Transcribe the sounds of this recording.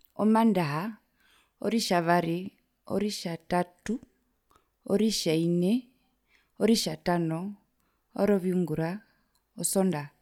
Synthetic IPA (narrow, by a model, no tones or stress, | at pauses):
ɔmandaɦa | ɔ̰ɾiʃaβaɾi | ɔ̰ɾiʃatatu | ɔɾiʃainɛ | ɔɾiʃatanɔ | ɔɾɔβiuŋɡuɾa | ɔsɔnda